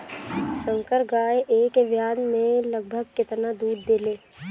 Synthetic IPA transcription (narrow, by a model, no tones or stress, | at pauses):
sə̃ŋkəɾɡaːeʔeːkeʋjaːd̪mẽləɡ̚bʱəɡ̚kɪt̪nad̪uːɾd̪eleː